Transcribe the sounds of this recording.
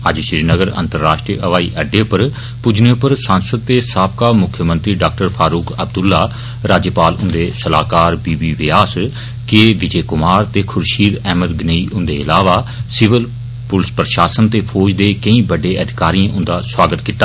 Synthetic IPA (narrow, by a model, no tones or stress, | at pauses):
əd͡ʒʃɪɾiːnəɡəɾə̰nt̪əɾːaːʃʈɾiəʔəʋaːḭːʔəɖeːpəɾ | pʊd͡ʒneːpəɾsãːnsəd̪̚t̪eːsaːpkaːmʊkʰjəmə̃nt̪ɾiːɖaːk̚ʈəɾpʰaːɾuːkəbd̪ʊlːaː | ɾaːd͡ʒəpaːlʊnd̪eːsəla̰ːkaːɾbiːbiːʋɪjaːs | keːʋɪd͡ʒeːkʊmaːɾt̪eːkʰʊɾʃiːɾɛːməd̪ɡneiːʔʊnd̪eːɪlaːʋaːsɪʋəl | pʊlspɾəʃaːsənt̪eːpʰɔːd͡ʒd̪eːkəĩːbəɖeːʔəd̪ɪkaːɾiãʔʊ̃nd̪aːswaːɡət̪kiːt̪ːaː